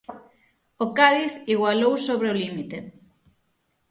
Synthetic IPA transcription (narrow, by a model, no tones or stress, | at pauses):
okaðiθiɣwalowsoβɾeolimit̪e